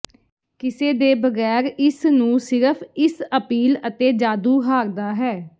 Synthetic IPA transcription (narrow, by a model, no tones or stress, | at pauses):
kɪseːd̪eːbəɡɛːɾɪsnũːsɪɾəpʰɪsəpiːlət̪eːd͡ʒaːd̪uːɦaːɾd̪aːɦɛː